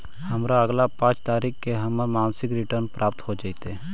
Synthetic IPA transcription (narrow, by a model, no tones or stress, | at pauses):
hɐmɾaəɡlapãːt͡ʃt̪aːɾiːkkeɦɐməɾmaːnsɪkɾɪʈəɾnpɾʔaːp̚t̪ɦod͡ʒaːit̪e